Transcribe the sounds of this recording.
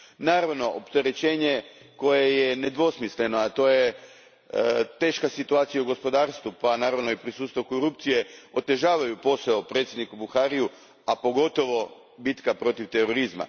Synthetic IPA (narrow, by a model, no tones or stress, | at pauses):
naːɾaʋno̞ʔopt̪e̞ɾe̞t͡ɕe̞ːɲe̞ | ko̞jejene̞d̪ʋo̞smisle̞no̞at̪o̞ːje | t̪e̞ːʃkasit̪uaːt̪sijauɡo̞spo̞d̪aːɾst̪ʋupanaːɾaʋno̞ipɾisuːt̪st̪ʋokoɾup̚t̪sije̞o̞t̪e̞ʒaːʋajupo̞saopɾet̪sjed̪nikubuxaɾiju | apo̞ɡo̞t̪o̞ʋo̞ | bit̪kapɾo̞t̪iʋt̪e̞ɾo̞ɾizma̰